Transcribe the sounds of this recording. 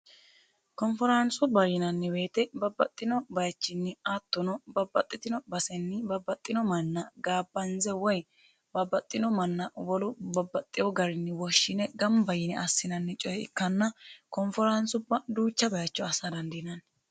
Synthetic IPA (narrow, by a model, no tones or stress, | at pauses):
kɔnfɔɾɐnsʊbɐjɪnɐnːɪbe̞ːt̪ɛbɐbːɐt̪ʼːɪnɔbɐjɐt͡ʃːɪnːɪat̪ːɔnɔbɐbːɐt̪ʼːɪt̪ɪnɔbɐsɛnːɪbɐbːɐt̪ʼːɪnɔmɐnːɐɡaːbːɐnzɛwɔj | bɐbːɐt̪ʼːɪnɔmɐnːɐwɔlʊbɐbːɐt̪ʼːɪjɔɡɐɾɪnːɪwɔʃːɪnɛɡɐmbɐjɪnɛʔɐsːɪnɐnːɪt͡ʃʼɔjɛɪ̰kːɐnːɐkɔnfɔɾɐnsʊbːɐd̪uːt͡ʃːɐbɐjɐt͡ʃːɔɐsɐd̪ɐnd̪ɪnɐn